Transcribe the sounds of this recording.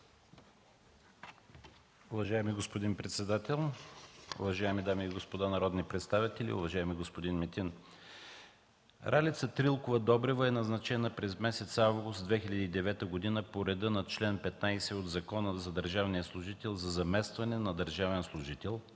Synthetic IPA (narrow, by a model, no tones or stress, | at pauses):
ʊvɐʒaɛmiɡospod̪inpɾɛt̪sɛd̪at̪ɛlˠ | ʊ̰vɐʒaɛmid̪amiːɡospod̪anɐɾɔd̪nipɾɛt̪st̪avit̪ɛlʲḭʊ̰vɐʒaɛmiɡospod̪inmɛt̪in | ɾalit̪sət̪ɾilˠkʊvəd̪ɔbɾɛvəɛnɐznɐt͡ʃɛnəpɾɛzmɛsɛt̪savɡʊst̪d̪vɛxilʲɐd̪iːd̪ɛvɛt̪əɡod̪inəpoɾɛd̪ɤnɐt͡ʃlɛnpɛt̪najsɛod̪zɐkɔnəzɐd̪əɾʒavnijəslˠʊʒit̪ɛlˠzɐzɐmɛst̪vɐnɛnɐd̪əɾʒavɛnslˠʊʒit̪ɛlˠ